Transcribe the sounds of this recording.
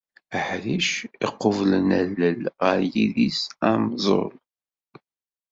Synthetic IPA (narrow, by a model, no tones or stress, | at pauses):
əħɾiʃiqːəvlənælːəlʁəɾjiðisæmzˤo̰ɾˤ